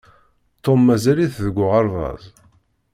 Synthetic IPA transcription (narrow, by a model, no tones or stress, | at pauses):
t̪ːomːæzæliθðəɡʷːʊʁɑɾˤðɑ̰zˤ